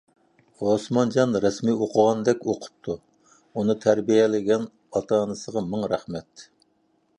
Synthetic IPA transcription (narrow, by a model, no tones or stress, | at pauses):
osmɑnd͡ʒɑnɾɛsmioqʰʊʁɑnd̪ɛkʲoqʰʊ̥p̚t̪ʰu | unɨt̪ʰæɾbijɛlɪɡʲɛn | ɑt̪ʰɑnɨsəʁɑmɨŋɾæχmɛt̪